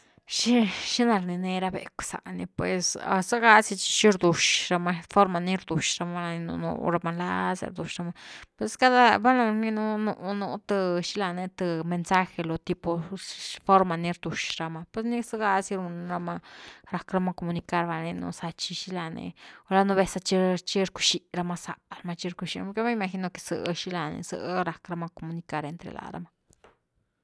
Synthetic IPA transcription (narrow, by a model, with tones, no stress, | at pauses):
ʃi˦ʃi˦na˧ɾni˧ne˧ɾa˧bḛ˨kʷsa̰˨ni˧pwe˨sa̰˧sa˦ɡa˦si˧t͡ʃi̥˧ʃi˦ɾd̪u˨ʃɾa˧ma˧fo˦ɾma˧ni˦ɾd̪u˨ʃɾa˧ma˧la˧ni˧nṵ˧nṵ˧ɾa˧ma˧la̰˦sa̰˧ɾd̪u˨ʃɾa˧ma˧pwe˧ska˦d̪a˦ba˦na˧ni˦nu˧nu˧nu˧t̪ɨ˧ʃi˦la˧ne˧t̪ɨ˧me˧nsa˦xe˧lo˧t̪i˧po˧fo˦ɾma˧ni˧ɾd̪u˨ʃɾa˧ma˧pwe˧sni˦sɨ˦ɡa˧si˦ɾu˧n˧ɾa˧ma˧ɾa˧kɾa˧ma˧ko˧mu˧ni˧ka˦˧ɾba˧ni˧nṵ˧sa˧t͡ʃi˧ʃi˦la˧nḛ˧o˧la˧no˧βe˧sa˧t͡ʃi˧t͡ʃi˦ɾku̥˧ʃi˧˨ɾa˧ma˧sa̰˨ɾa˧ma˧t͡ʃi˧ɾku˧ʃi˧ke˦ma˦ma˧xi˧no˧ke̥˧sɨ̰˨ʃi˦la˧nḛ˧sɨ̰˧ɾa˨kɾa˧ma˧ko˨mu˧ni˧ka˧ɾe˧nt̪ɾḛ˨lʔa̰˨ɾa̰˧˦ma˧